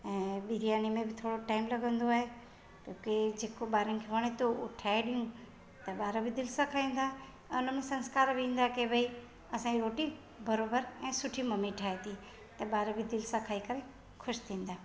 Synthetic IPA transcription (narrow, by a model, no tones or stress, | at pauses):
ɛ̃ːɓiɾijaːnimẽbɪt̪ʰoːɽoʈaːɪmlɐɡʱə̃nd̪oaːɦe | kõːked͡ʑeːkoɓaːɾənɪ̆kʰeʋɐɽ̃et̪oʊʈʰaːeɗijũ | t̪ɐɓaːɾəbɪd̪ɪlsakʰaːĩːn̆d̪ãː | ʊn̤əmẽsɐ̃nskaːɾbɪĩːn̆d̪akebʱɐi | ɐsãːiɾoːʈi | bɐɾoːbəɾɛ̃ːsʊʈʰimɐmiʈʰaːet̪ʰi | t̪ɐɓaːɾəbɪd̪ɪlsakʰaːikɐɾẽ | kʰʊʃt̪ʰĩːn̆d̪aː